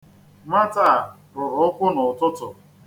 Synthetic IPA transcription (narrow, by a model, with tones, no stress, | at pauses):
ma˦ta˨ | ɾʊ˨ɾʊ˨ʊ˦kʷʊ˦nʊ˨tʊ˦tʊ˨